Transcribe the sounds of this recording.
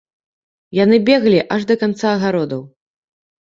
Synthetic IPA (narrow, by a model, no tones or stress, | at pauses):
jan̪ɨbʲɛɣlʲiʔɐʐd̪ɐkant̪saːɣaɾɔd̪ɐw